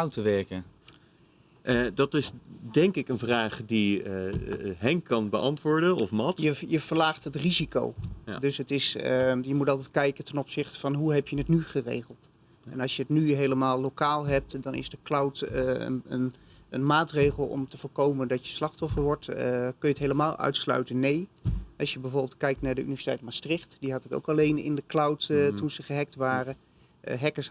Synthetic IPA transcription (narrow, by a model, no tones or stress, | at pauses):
awtəʋɛɹkə | dɑtɪsdɛŋkɪkənvraːχdi | ɦɛŋkɑnbəʔɑntʋʊːɹdənɔfmɑtjəjəv̥əɹlaːχtɦətriziko̰wdɵsɦətɪsjəmutɑlˠtɛt̚kɛjkəntɛnɔpsɪχtə̥v̥ɑnɦuɦɛpjənətnyχərḛjχəlˠt | ɛnɑlˠsjəətnyɦejləmaːlˠlːowkaːlˠɦɛp̚tdɑnɪ̰zdəklawt | ə̰n | ə̰nmaːtrejχəlˠɔ̰mtəvoːɹkowməndɑtjəslɑχtɔfəɹʋɔɹtkɵjəətɦeləmaːlˠʔœ̰ɥtslœ̰ɥtənːejɑʃjəbɛjvoːɹbɪːlˠt̚kɛjk̚tnaːɹdəy̰nivɛsi̥tɛjtmastrɪχtdiɦɑtəto̰wkɑlejnɪ̰ndəklawttunzəχəɦɛk̚tʋaːrə | ɦɛkəs